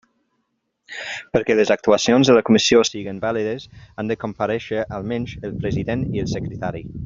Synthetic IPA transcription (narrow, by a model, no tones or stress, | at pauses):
pəɾkɛləzak̚t̪uasionzðələkumisiosiɣəmbaliðəzand̪əkompəɾɛʃəʔalˠmɛnʲʒəlˠpɾəziðeniəlˠsəkɾət̪aɾi